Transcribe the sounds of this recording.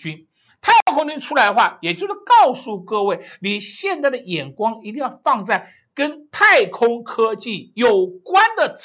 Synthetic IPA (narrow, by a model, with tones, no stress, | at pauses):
y˥n | t̪ʰa˥˩ɪkʰʊ˥ŋt͡ɕy˥nʈ͡ʂʰu˥la˧˥ɪd̪ə˧xwa˥˩jɛ˨˩t͡ɕjo˥˧ʊʂɻ̩˥˩kɑ˥˧ʊsu˥˧kɤ˥˧we˥˩ɪli˨˩ɕjɛ˥˧nt͡sa˥˩ɪd̪ə˩jɛ˨˩nkwɑ˥ŋi˧˥t̪i˥˧ŋjɑ˥˧ʊfɑ˥˧ŋt͡sa˥˩ɪ | kə˥nt̪ʰa˥˩ɪkʰʊ˥ŋkʰɤ˥t͡ɕi˥˩jo˨˩ʊkwa˥nd̪ə˨